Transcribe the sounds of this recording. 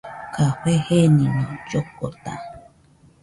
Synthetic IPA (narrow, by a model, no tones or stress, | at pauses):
kahʷehenĩnõd͡ʒokːot̪a̰